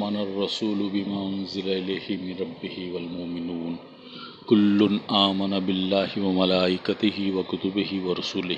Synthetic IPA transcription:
mɐnɐrˤːɑsuːlʊbɪmaːʔʊnzɪlaɪlaːhɪmɪnɾˤɑbːɪhɪwɐlmʊʔmɪnuːn | kʊlːʊnʔaːmɐnabɪlːaːhɪwɐmɐlaːʔɪkat̪ɪɦɪwɐkʊt̪ʊbɪɦɪwɐɾˤɑsuːlɪ

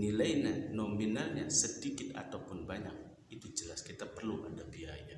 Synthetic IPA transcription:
nilajnanominalɲasədikɪt̪a̰t̪awpʊnbaɲak̚ | it̪ud͡ʒəlaskit̪apərluʔa̰ndabiaja

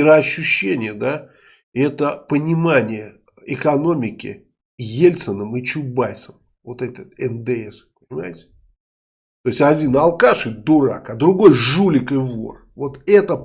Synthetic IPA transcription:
ɪɾəɐɕːʊɕːenʲɪjəd̪a | ɛt̪əpənʲɪmanʲɪjə | ɪkɐno̞mʲɪkʲɪ̰ | jelʲt̪sənəmɨt͡ɕʊbajsəm | vo̞t̪ɛt̪ʲət̪ɛnd̪ɨɛspənʲɪma̰jɪtʲɪ̥ | t̪ojɪsʲtʲɐdʲinalˠkaʂɨd̪ʊɾa̰kad̪ɾʊɡo̞jʐulʲɪkɨvo̞̰r | vo̞t̪ɛt̪ə

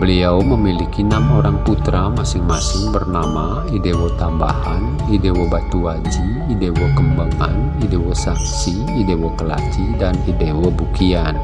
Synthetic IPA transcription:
bəliawməmilikinamoɾaŋput̪ɾamasɪŋmasɪŋbərnama | idewɔt̪amba̰han | idewɔbat̪uad͡ʒiːdewɔkəmbaŋanidewɔsaksi | idewɔkəla̰d͡ʒidanidewɔbukian

